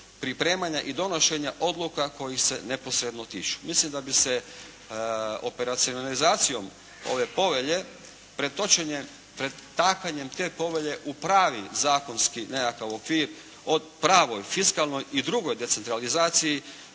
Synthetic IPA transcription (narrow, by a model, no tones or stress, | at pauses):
pɾipɾe̞ːmaɲaʔid̪o̞no̞ʃe̞ɲaʔo̞d̪lˠukako̞jixse̞ne̞po̞sɾe̞d̪not̪iːt͡ʃu̥mislimd̪abise̞ | ope̞ɾat̪sionalizaːt̪sijo̞m | o̞ʋe̞po̞ʋe̞ʎe̞ | pɾe̞d̪̚t̪o̞t͡ʃeɲe | pɾed̪ːaːkaɲe̞mt̪e̞ːpo̞ʋe̞ʎe̞ʔupɾaːʋizaːko̞nskinejakaʋo̞kʋiːɾ | od̪ | pɾaːʋo̞jfiskalˠno̞jid̪ɾuɡo̞jd̪e̞t̪se̞nt̪ɾalizaːt̪siji